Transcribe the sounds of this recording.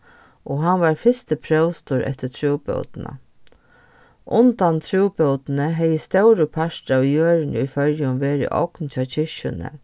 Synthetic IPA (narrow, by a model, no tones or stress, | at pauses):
ɔɦanʋaɾfɪst̪əpʰɾœwst̪ʊɾɛ̰ht̪ɪt̪ʰɾuːpœ̰wt̪na̰ | ʔʊnt̪ant̪ʰɾuːpœwt̪nəɦɛjəst̪œwɾʊpʰaʂtawjøːɾɪnɪʊfœɾjʊmʋeːɾɪ̰ʔɔ̰knt͡ʃʰɑːt͡ɕʰɪʃʊ̰nə̰